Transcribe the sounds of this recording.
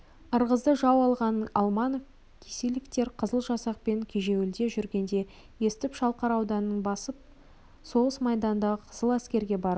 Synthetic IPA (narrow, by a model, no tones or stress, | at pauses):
əɾʁəzd̪əʒɑwɑlˠʁɑnɑlˠmɑnof | kʲʰeselɪkt̪e̞ɾqʰəzəlˠʒɑsɑq̚pe̞ŋkʲʰeʒe̞wɪld̪e̞ʒʏɾɡʲe̞nd̪e̞ | je̞sɪt̪ɪpʃɑlˠqɑɾɑwd̪ɑnːəɴbɑsəp̚ | so̞ʁəsmɑjd̪ɑnd̪ɑqʰəzəlˠæskʲe̞ɾɡʲe̞bɑɾ